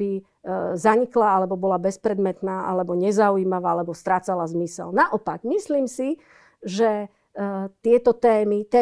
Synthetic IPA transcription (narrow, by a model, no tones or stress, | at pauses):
bi | zaɲiklaalɛbɔbɔlabɛspɾɛd̪mɛt̪naːʔa̰lɛbɔɲɛzauiːmaʋaːalɛbɔst̪ɾaːt͡salazmisɛ̰lnaʔɔpaɡmisliːmsi | ʒɛ | t̪ɪɛt̪ɔt̪ɛːmit̪ɛː